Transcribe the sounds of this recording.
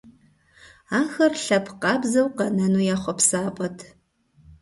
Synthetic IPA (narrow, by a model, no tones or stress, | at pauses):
aːxɐrɬɐpʰqɑːbzɐwqɐnɐnuːjaːχʷɔpsaːpʼɐtʰ